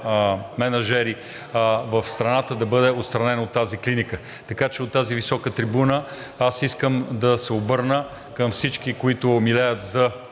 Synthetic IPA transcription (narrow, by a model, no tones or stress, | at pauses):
mɛnɐʒɛɾi | vɐfst̪ɾɐnat̪əd̪ɐbɤd̪ɛot̪st̪ɾɐnɛnɐot̪ːaziklinikə | t̪ɐkat͡ʃɛot̪ːazivisɔkət̪ɾibunə | asiskəmd̪ɐsɛobɤɾnə | kəmfsit͡ʃk̟ikoit̪ʊmilɛjət̪zɐ